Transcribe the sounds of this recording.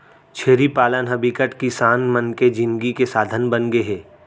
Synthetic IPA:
t͡ʃʰeːɾipaːlənɦɐbikəʈkisaːnmənked͡ʒɪ̃nɡikesaːd̪ʱənbənɡəeɦɛː

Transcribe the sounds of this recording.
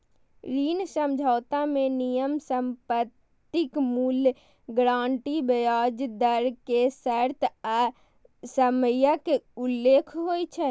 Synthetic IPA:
ɾinsəmd͡ʒʱaːt̪amenijəmsəmpət̪ː | ikmul | ɡɾãɳʈibəjad͡ʒd̪əɾkesəɾt̪ʰa | səməjakeulːekʰɦojt͡ʃʰɛ

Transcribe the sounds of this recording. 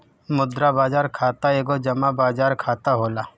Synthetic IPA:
mʊd̪ɾabaːzaːɾkʰaːt̪aeːɡod͡ʒɐmabaːzaːɾkʰaːt̪aɦoːlaː

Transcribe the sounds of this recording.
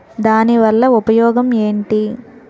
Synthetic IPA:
d̪aːniʋɐlːɐupɐjɔːɡɐme̞ːɳʈi

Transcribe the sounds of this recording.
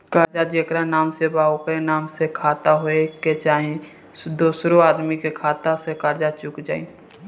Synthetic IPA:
kaːɾd͡ʒad͡ʒekɾanaːmsebaːokɾenaːmsekʰaːt̪aɦoeket͡ʃaːɦĩ | d̪oːsɾoaːd̪mikekʰaːt̪asekaːɾd͡ʒat͡ʃʊkd͡ʒa̰ːḭ̃

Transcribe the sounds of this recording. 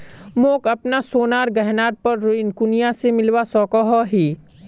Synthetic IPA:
mõːkɐpnasoːnaːɾɡɛɦnaːɾ̚pɐɾːoɪnkʊnijasemɪlwasɔːkɔɦɔɦiː

